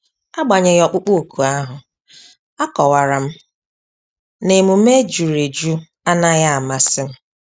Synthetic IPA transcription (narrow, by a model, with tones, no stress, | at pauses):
a˦ɡ͡ba˨ɲɪ˨ɣɔ˨k͡pʊ˦k͡pu˦o˨ku˨a˦ɦʊ˨ | a˦kɔ˨wa˨ɾa˨m̩˦ | ne˨mu˨m̩˦e˦d͡ʒu˨ɾe˨d͡ʒu˦ | a˦na˦ɣa˦a˨ma˨sɪ˦m̩˦